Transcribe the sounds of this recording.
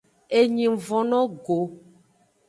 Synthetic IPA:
e˨ɲĩ˨vɔ̃˨nɔ̃˦ɡo˨

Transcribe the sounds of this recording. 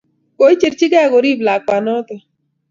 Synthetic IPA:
ko˨˦i˦t͡ʃe˨ɾt͡ʃi˦ɡɛ˦˨ɣo˨ɾi˦bla˨k͡pa˨nɔ˦t̪ɔ˨

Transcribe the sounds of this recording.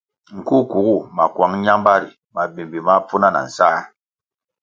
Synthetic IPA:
ŋ̩˨ku˦ku˨ɡu˦˨ma˨kwa˨˦ŋ˦ɲa˦mba˦ɾi˨ | ma˨bi˨mbi˨ma˦pu˦na˦na̰˨n̩˨sa˦

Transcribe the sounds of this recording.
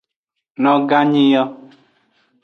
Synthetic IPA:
nɔ˦ɡa˦ɲi˦jɔ˦

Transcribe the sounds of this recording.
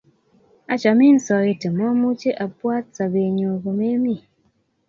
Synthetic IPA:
a˦t͡ʃa˨mi˦n̩˦sɔ˨ɣe˦te˨mɔ˦mu˦t͡ʃe˦ʔa˨pwa˦t͡sa˨be˨ɲo˨ɣo˨me˦mi˦˨

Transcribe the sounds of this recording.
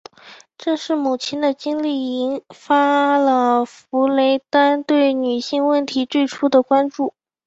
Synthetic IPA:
ʈ͡ʂɤ˥˧ŋʂɻ̩˥˩mu˨˩t͡ɕʰɛ˥nd̪ə˨t͡ɕi˥ŋli˥˩i˧˥nfa˥lə˨fu˧˥le˧˥ɪt̪a˥nt̪we˥˩ɪny˨˩ɕi˥˧ŋwə˥˩nt̪ʰi˧˥t͡swe˥˩ɪʈ͡ʂʰu˥d̪ə˨kwa˥nʈ͡ʂu˥˩

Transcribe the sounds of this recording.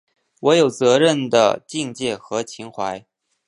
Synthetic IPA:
wɔ˧˥jo˨˩ʊt͡sɤ˧˥ɻə˥˩nd̪ə̰˩t͡ɕi˥˧ŋt͡ɕjɛ˥˩xɤ˧˥t͡ɕʰi˧˥ŋxwa˧˥ɪ

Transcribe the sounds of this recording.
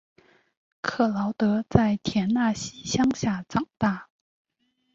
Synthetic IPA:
kʰɤ˥˩lɑ˧˥ʊt̪ɤ˧˥t͡sa˥˩ɪt̪ʰjɛ˧˥nna˥˩ɕi˥ɕjɑ˥ŋɕja˥˩t͡sɑ˨˩ŋt̪a˥˩

